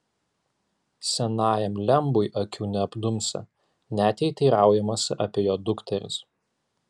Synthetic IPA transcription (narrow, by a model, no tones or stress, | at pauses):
sʲɛnɑːjɛmlʲɛmbʊjʔɐkʲʰuːnʲɛɐbd̪ʊmʲsʲɐ̰ | nʲæːt̪ʲɛɪt̪ʲiːɾɑˑʊjɛmɐsʲɪ̰ʔɐpʲeːjoːd̪ʊkt̪ʲɛɾʲʊ̰s